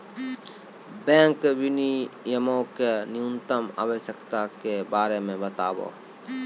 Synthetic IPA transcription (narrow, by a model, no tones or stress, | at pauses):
bẽːŋkbɪnijəmõkenjũnt̪əma̰ːʋəʃjəkt̪akebaːɾemẽbət̪aːbo̰ː